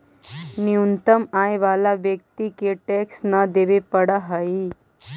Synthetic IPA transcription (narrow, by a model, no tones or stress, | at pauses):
niunt̪əmaːjʋaːlaʋjək̚t̪ikeʈeksnəd̪eʋepəɽəɦəi